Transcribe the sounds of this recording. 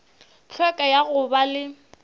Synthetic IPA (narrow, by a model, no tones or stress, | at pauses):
t͡ɬʰwɛkʼajaɣʊbalɪ